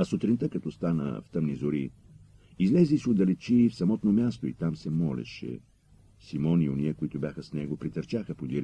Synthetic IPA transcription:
ɐsot̪ɾint̪əkɐt̪ɔst̪anə̰ft̪əmnizʊɾi | izlɛzisiod̪ɐlɛt͡ʃifsɐmɔt̪nomʲjast̪oit̪amsɛmɔlɛ̰ʃɛ̰ | simɔnioniəkoit̪ʊbʲjaxəsnɛɡopɾit̪ɐɾt͡ʃaxəpod̪iɾ

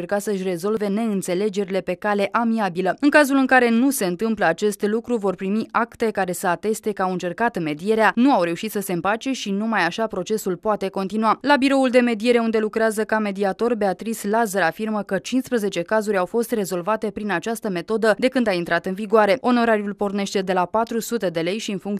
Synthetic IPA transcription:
erkat̪səɨʃ̬ʲre̞zo̞lve̞ne̞ɨnt̪se̞le̞d͡ʒe̞ɾile̞pe̞kale̞ʔamiabiləɨŋkazulɨŋkaɾe̞nuse̞ɨnt̪ɨmpləat͡ʃe̞st̪lukɾuvo̞rpɾimiʔakt̪e̞kaɾe̞səat̪e̞st̪e̞kəawɨnt͡ʃe̞rkat̪me̞d̪ie̞ɾeanuawɾe̞uʃit̪səse̞ɨmpat͡ʃe̞ʃinumajaʃapɾo̞t͡ʃe̞sulpoat̪e̞ko̞nt̪inualabiɾo̞uld̪e̞me̞d̪ije̞ɾe̞und̪e̞lukɾeazəkame̞d̪iat̪o̞rbe̞at̪ɾislazəɾafirməkət͡ʃinspɾəze̞t͡ʃe̞kazuɾʲawfo̞st̪re̞zo̞lvat̪e̞pɾinat͡ʃast̪əme̞t̪o̞d̪əd̪e̞kɨnd̪aint̪ɾat̪ɨnviɡoaɾe̞o̞no̞ɾaɾijulpo̞rne̞ʃt̪e̞d̪e̞lapat̪ɾusut̪e̞d̪e̞le̞jʃiɨnfuŋk

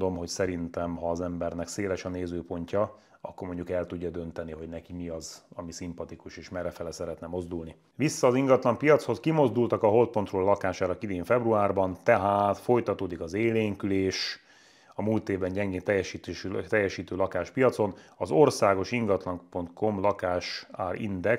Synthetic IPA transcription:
d̪o̞mɦo̞csɛɾint̪ɛmɦɒːzɛmbɛrnɛkseːlɛʃɒneːzøːpo̞ɲcɒ | ɒkːo̞rmoɲɟukɛlt̪uɟːɒd̪ø̞nt̪ɛniɦo̞ɟnɛkimiɒzɒmisimpɒt̪ikuʃeːʃmɛrɛfɛlɛsɛɾɛt̪nɛmo̞zd̪ulni | ʋisːɒːziŋɡɒt̪lɒmpijɒt̪sho̞skimo̞zd̪ult̪ɒkɒɦo̞lt̪̚po̞nt̪rolːɒkaːʃaːɾɒkid̪eːɱfɛbruaːrbɒnt̪ɛɦaːt̪fo̞jt̪ɒt̪oːd̪ikɒzeːleːŋkyleːʃ | ɒmuːlt̪eːvbɛɲɟɛŋɡeːnt̪ɛjːɛʃiːt̪ːʃyt̪ɛjːɛʃiːt̪øːlɒkaːʃpijɒt̪so̞nɒzo̞rsaːɡo̞ʃiŋɡɒt̪lɒŋpo̞nt̪ko̞mlɒkaːʃaːrḭnd̪ɛks

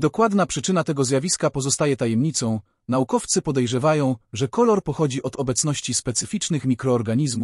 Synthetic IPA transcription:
d̪ɔkwad̪napʂɘt͡ʂɘnat̪ɛɡɔzʲjavʲiskapɔzɔst̪ajɛt̪ajɛmɲit̪sɔ̃w̃ | naukɔft̪sɘpɔd̪ɛjʐɛvajɔ̃w̃ʐɛkɔlɔɾpɔxɔd͡ʑiʔɔd̪ɔbɛt̪snɔɕt͡ɕispɛt̪sɘfʲit͡ʂnɘxmʲikɾɔːɾɡaɲizmu

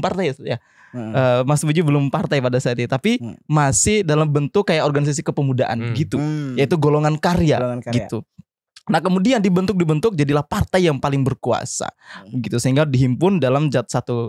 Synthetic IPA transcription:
mpart̪ajja | əmasɪmud͡ʒubəlʊmpart̪ajpadasaat̪̚ɲat̪apimasɪhdalambənt̪ʊkːajaʔɔrɡanis̬as̬ikəpəmudaʔa̰nbəɡit̪ujait̪uɡoloŋankaɾiaɡit̪u | nahkəmudiandibənt̪ʊk̚dibənt̪ʊk̚d͡ʒadilahpart̪ajjaŋpalɪŋbərkua̰sa̰bəɡit̪usəiŋɡadiɦimpʊndalamd͡ʒat̪̚sat̪u

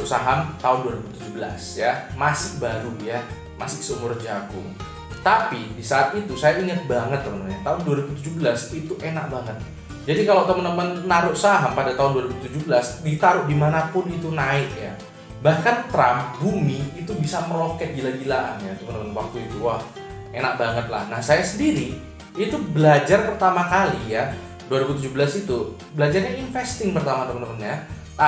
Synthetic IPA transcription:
saɦamt̪aʊnduwaɾibut̪ud͡ʒubəla̰sjamasɪkbaɾuja | masɪksəumʊrd͡ʒaɡʊ̰ŋ | t̪apidisaːt̪it̪usajaiŋət̪̚baŋət̪̚səmənəɲat̪aʊnduaɾibut̪ud͡ʒubəlasit̪uʔena̰ʔ̚baŋət̪̚ | d͡ʒadikaloʔt̪əmənt̪əmənːaɾʊʔsaɦampadat̪aʊnduaɾibut̪ud͡ʒubəlasdit̪aɾʊʔdimanapʊnit̪unaɪk̪ja̰ | bahkant̪ɾambumiːt̪ubisaməɾokɛt̪̚ɡilaɡilaʔa̰njat̪əmənt̪əmənwak̚t̪uit̪uwah | enak̚baŋət̪̚la̰hnahsajasəndiɾi | it̪ubəlad͡ʒarpərt̪amakalija | duaɾibut̪ud͡ʒubəlasit̪u | bəlad͡ʒarɲainfɛst̪ɪŋpərt̪amat̪əmənəmənɲa | t̪a

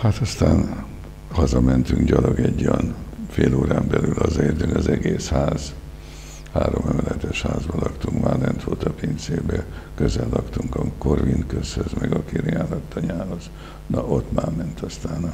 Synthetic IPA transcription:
hat̪ɒst̪aːn | hɒzɒmɛnt̪yŋɡɟɒloɡɛɟːojɒnfeːloːɾaːmbɛlylɒzɒeːrt̪yŋkɒzɛɡeːshaːz̥ | haːɾo̞mɛmɛlɛt̪ɛʃhaːzbɒlɒkt̪uŋkmaːlɛnt̪ʋoːt̪ɒpint̪seːbɛkøzɛlːɒkt̪uŋkɒko̞rʋinkøshøzmɛɡɒkiɾiaːlɒt̪ːɒɲaːɦo̞z | nɒot̪maːmɛnt̪ɒst̪aːnɒ

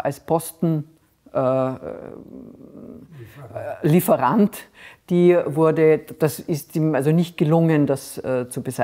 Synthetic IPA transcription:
ʔalspʰɔstn̩ | ʔɛ | lifəʁantd̥iːvʊɐdəd̥asɪstiːmalzonɪçt̚ɡ̥əlʊŋəndasɛːt͡subəza

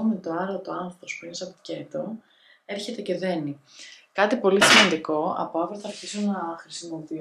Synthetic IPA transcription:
met̪oɐɾot̪oɐnθɾopo̞spuinest̪ɐppi̥ce̞t̪o | e̞ɾçe̞t̪e̞ce̞ðe̞ni | kɐt̪ipo̞lisimɐnd̪iko̞ɐ̰poɐvɾoθɐɾçisunɐxɾisimo̞pi

